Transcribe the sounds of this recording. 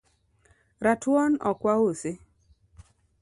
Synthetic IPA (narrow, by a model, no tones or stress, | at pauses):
ɾatwɔnɔkwausɪ